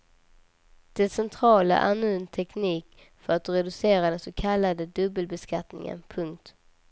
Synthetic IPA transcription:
d̪̥ɛsɛnt̪ʰɾɑːla̰ʔæ̰ɾnʉ̟ːnt̪ʰɛkniːk | fœɾat̪ːɾɛd̪ɵseːɾad̪ɛnsɔkʰalːad̪əd̪ɵbːəlbɛskat̪nɪ̰ŋə̰npʰɵŋk̚t̪

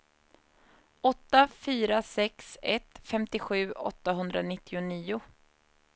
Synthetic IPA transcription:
ɔt̪ːafyːɾasɛksɛt̪fɛmt̪ɪɧʉ̟ːɔ̰t̪ːaɦɵnd̪ɾanɪt̪ːɪʊniːʊ

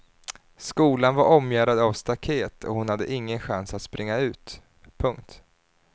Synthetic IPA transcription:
skuːlanvaɾɔmjæːɾad̪avst̪akʰeːt̪ʰɔ̰hʊnhad̪ːə̰ʔɪŋːənɧansat̪spɾɪŋːaʉ̟ːt̪ | pʰɵŋk̚t̪

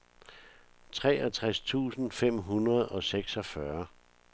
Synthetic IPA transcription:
t͡sʰʁɛːɒt͡sʰʁast͡sʰṵːsn̩fem̰ɦunʁɐð̞ˠɒ̽seɡ̥sɒ̽fɶɐ

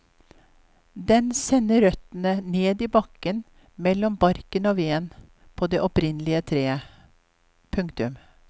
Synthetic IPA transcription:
d̪ɛnsɛnːəɾœt̪ənəneːd̪iːbɑkːən | mɛlːɔmbɑɾkənoːʋeːn | pʰoːd̪eːʔɔpɾɪnlɪət̪ʰɾeː | pʰʉŋkt̪ʉm

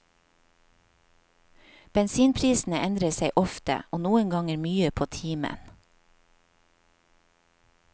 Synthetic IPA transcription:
b̥ɛnsiːnpʰɾiːsn̩əʔɛnd̪ɾəseɪʔɔft̪ə̰ʔoːnuːəŋɡɑŋəɾmyːəpʰoːt̪ʰiːmə̰n

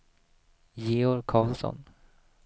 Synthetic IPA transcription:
jeːɔɾkʰɑːlsɔ̰n

